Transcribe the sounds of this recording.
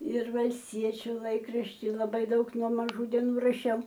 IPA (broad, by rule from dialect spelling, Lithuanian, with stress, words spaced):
ɪr ʋɐlʲsʲˈtʲiɛt͡ʃʲʊ ˈlˠɐɪkrɐʃʲtʲɪ lˠɐˈbɐɪ ˈdɐʊk nuɔ mɐˈʒuː dʲɛˈnuː rɐˈʃʲɛʊ